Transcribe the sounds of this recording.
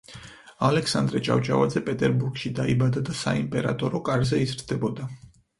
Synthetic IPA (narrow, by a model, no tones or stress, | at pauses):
alɛksand̪ɾɛt͡ʃʼa̰vt͡ʃʼa̰vad̪zɛpʼɛt̪ʼɛɾbuɾɡʃid̪aibad̪ad̪asa̰impʼɛɾa̰t̪ʼɔɾɔkʼaɾzɛizɾd̪ɛbɔd̪a